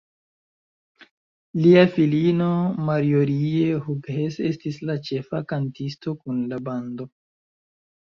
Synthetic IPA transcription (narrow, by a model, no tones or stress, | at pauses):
liafilino̞maɾioɾie̞huɡhese̞stislat͡ʃe̞fakantisto̞kunlabando̞